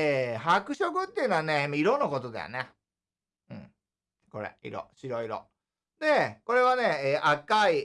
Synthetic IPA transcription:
eɦakɯ̟ɕo̞kɯ̟t̪ːeiɯ̟noaneimːaiɾo̞nːoko̞t̪o̞d̪a̰jo̰ne | ɯ̟̃ɴ | ko̞ɾḛḭɾo̰ɕiɾo̞iɾo̰ | d̪e̞ko̞ɾe̞βane̞ːʔakai

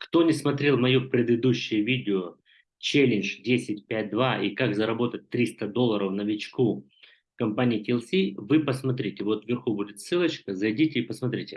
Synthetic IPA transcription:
kt̪o̞nʲɪsmɐt̪ɾʲe̞lˠmɐjupɾʲɪd̪ɨd̪uɕːɪjʊvʲidʲɪʊ | t͡ɕelʲɪnʐdʲesʲɪtʲpʲæt̚ʲd̪vaikakzəɾɐbo̞t̪ət̚ʲt̪ːɾʲist̪əd̪o̞lˠːəɾəfnəvʲɪt͡ɕku | kɐmpanʲɪːtʲɪlˠsʲivɨpəsmɐt̪ɾʲitʲɪvo̞t̪vʲɪrxubudʲɪt̪sɨlˠət͡ɕkəzɐjdʲitʲɪːpəsmɐt̪ɾʲitʲɪ

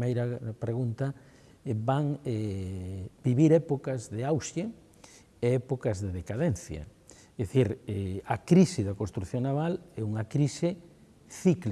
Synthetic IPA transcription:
mejɾɐpɾeɣunt̪ɐ | baŋɛ | biβiɾɛpokɐzðeawsje | eɛpokɐzðeðekaðɛnθjɐ̰ | ðeθiɾeɐkɾisɪðɐkõnst̪ɾuθjoŋnaβalɛuŋɐkɾisɪ | θikl

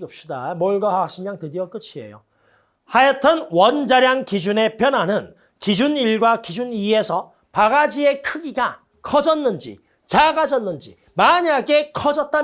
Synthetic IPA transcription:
ɯp̚ɕ͈idamoɭɡahakɕ͈imɲaŋtɯdiʌk͈ɯt͡ɕʰie̞̰jo | haetʰʌnwʌnd͡ʑaɾjaŋkid͡ʑune̞pjʌnɦanɯn | kid͡ʑuniɭɡwakid͡ʑunie̞sʰʌ | paɡad͡ʑie̞kʰɯɡiɡa | kʰʌd͡ʑʌnːɯnd͡ʑḭ | t͡ɕaɡad͡ʑʌnːɯnd͡ʑḭ | maɲaɡe̞kʰʌd͡ʑʌt̚t͈a

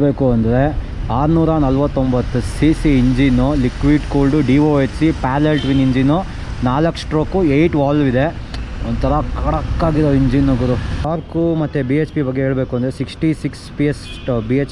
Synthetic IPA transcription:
beːkuɐnd̪ɐɾe̞ | aːɾnuːɾɐnɐlʋɐt̪ːombɐt̪ːusisiːɲd͡ʒinolikʋiɖkoːlɖuɖiʋoːet͡ʃsipaːlelʈʋiniɲd͡ʒino | naːlɐksʈɾoːkuejʈʋaːlʋid̪e̞ | ɔnd̪t̪ʰɐɾɐkɐɽɐkːaːɡid̪oiɲd͡ʒinːoɡɐɾuaːɾkumɐt̪ːebiːet͡ʃpibɐɡːeɦeːɭbe̞ːkuɐnd̪ɐɾesiksʈisikspies | biet͡ʃ

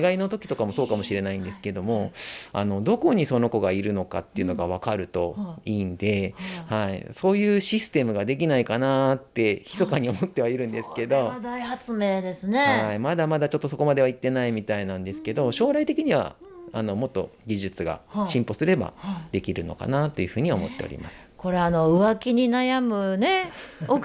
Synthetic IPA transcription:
ɡaino̞t̪o̞kʲi̥t̪o̞kamo̞soːkamo̞ɕiɾe̞naĩnd̪e̞sɨ̥ke̞d̪o̞mo̞a̰no̞d̪o̞ko̞ɲ̟iso̞no̞ko̞ɡaiɾɯ̟no̞ka̰t̪ːe̞iɯ̟no̞ɡaβ̞akaɾɯ̟t̪o̞iːnd̪e̞haḭso̞ːjɯ̟ːɕisɨ̥t̪e̞mɯ̟ɡad̪e̞k̬ʲinaikanat̪ːe̞çi̥t̪o̞kaɲ̟io̞mot̪ːe̞βaiɾɯ̟̃nd̪e̞sɨ̥ke̞d̪o̞d̪aihat͡sɨme̞ːd̪e̞sɨne̞haimad̪amad̪at͡ɕo̞t̪ːo̞so̞ko̞mad̪e̞β̞ait̪ːe̞naimʲit̪ainãnd̪e̞sɨ̥ke̞d̪o̞ɕo̞ːɾait̪e̞kʲiɲ̟iβa̰ano̞mo̞t̪ːo̞̰ɡʲiʑɨt͡sɨɡa̰ɕĩmpo̞sɨɾe̞ba̰d̪e̞kʲiɾɯ̟no̞̰ka̰nat̪ːo̞jɯ̟ɸɯ̟ːɲ̟iomo̞̰t̪ːe̞o̰ɾʲḭma̰sɨ̥ko̞ɾe̞ano̞ɯ̟βakʲiɲ̟inajamɯ̟ne̞o

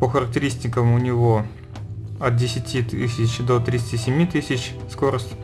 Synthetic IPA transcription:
pəxəɾək̚tʲɪɾʲisʲtʲɪkəmʊnʲɪvo | ɐt̪̚dʲɪsʲɪtʲit̪ɨsʲɪt͡ɕd̪ot̪ɾʲɪt̪sɨ̥tʲisʲɪmʲit̪ɨsʲɪt͡ɕskoɾəsʲtʲ

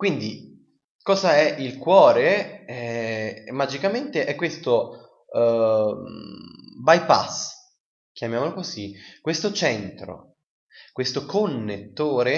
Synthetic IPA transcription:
kwind̪i | kɔːzaɛʔilkwɔːɾeɛ | mad͡ʒikament̪eʔɛkːwest̪o | bajpa̰s | k̟jamjaːmolokozikwest̪ot͡ʃɛnt̪ɾo̰ | kwest̪okonːet̪ːoːɾe

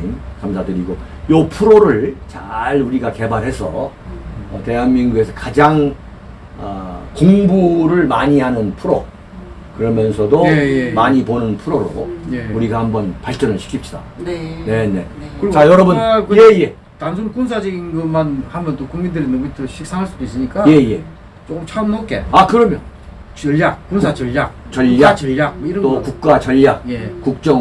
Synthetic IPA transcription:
nkamsʰadɯɾiɡo | jopʰuɾoɾɯɭt͡ɕaɭuɾiɡake̞baɭɦe̞sʰʌ | ʌte̞ɦanminɡue̞sʰʌkad͡ʑaŋ | ʌkoŋbuɾɯɭmaɲihanɯnpʰuɾo | kɯɾʌmjʌnsʰʌdomaɲiponɯnpʰuɾoɾouɾiɡahambʌnpaɭt͡ɕ͈ʌnɯɭɕʰi̥kʰipɕ͈i̥da̰nne̞ne̞ | kɯt͡ɕajʌɾʌbunkje̞ije̞ | tansʰonɯkunsʰad͡ʑʌɡinɡʌmanhambʌnt͈okuŋmindɯɾinʌmt͈ʰoɕʰik̚s͈aŋɦaɭs͈udois͈ɯɲik͈aje̞ije̞ | t͡ɕokmt͡ɕʰaɯmnok͈e̞̰akɯɾʌmjʌn | t͡ɕʌʎjak̚kunsʰat͡ɕʌʎjak̚t͡ɕʌʎːat͡ɕʌʎjak̚mʌiɾʌntokuk̚k͈wat͡ɕʌʎːak̚jekuk̚t͡ɕ͈ʌŋ

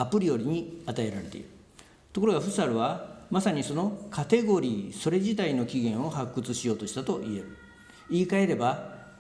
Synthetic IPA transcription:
apɯ̟ɾʲijo̞ɾʲiɲ̟iat̪ae̞ɾaɾe̞t̪e̞̰ḭɾɯ̟ | t̪o̞ko̞ɾo̞ɡaɸɯ̟saɾɯ̟βamasaɲ̟iso̞no̞kʰat̪e̞ɡo̞ɾʲiːso̞ɾe̞ʑit̪aino̞kʲiɡẽ̞ɰ̃o̞hakːɯ̟t͡sɨɕijo̞ːt̪oɕi̥t̪at̪o̞ʔie̞ɾɯ | iːkae̞ɾe̞ba

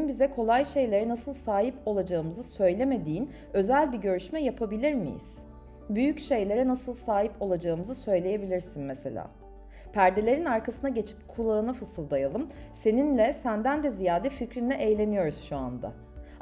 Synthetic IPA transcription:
mbizɛkʰo̞lˠajʃe̞jlʲe̞ɾɛnasɯlˠsaːɦipo̞lˠad͡ʒaɯmɯzɯsø̞jlʲe̞me̞d̪iːn | ø̞zælʲbiɟø̞ɾyʃmɛjapʰabilʲiɾmḭjḭz̥ | byjycʃe̞jlʲe̞ɾɛnasɯlˠsaːɦipo̞lˠad͡ʒaɯmɯzɯsø̞jlʲe̞je̞bilʲiɾsinmese̞̰lʲa̰ː | pʰæɾd̪e̞lʲe̞ɾinaɾkasɯnaɟe̞t͡ʃʰi̥p̚kʰulˠaɯnafɯsɯlˠd̪ajalˠɯmse̞ninlʲɛsænd̪ænd̪ɛzijaːd̪ɛficɾinːɛʔejlʲe̞nijo̞ɾuz̥ʃua̰nd̪a̰

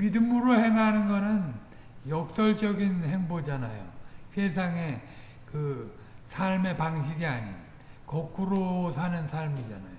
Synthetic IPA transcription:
midɯmɯɾohe̞ŋɦanɯnɡʌnɯn | jʌk̚s͈ʌɭd͡ʑʌɡinhe̞ŋbod͡ʑanajo̰sʰe̞s̬ʰaŋe̞ | kɯ | sʰaɭme̞paŋɕʰiɡiaɲin | kʌk͈ʰuɾosʰanɯnsʰaɭmid͡ʑana̰jo

